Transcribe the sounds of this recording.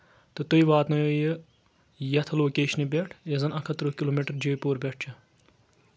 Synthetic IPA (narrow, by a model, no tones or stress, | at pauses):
t̪ɨt̪uiʋaːt̪nɐjojə | jɐt̪ʰɐloːkeːʃnibʲeʈʰezɐnɐkʰɐt̪ɾoːkiloːmeʈɐɾd͡ʒejpoːɾbʲeʈ̚ʰt͡ʃʰɐ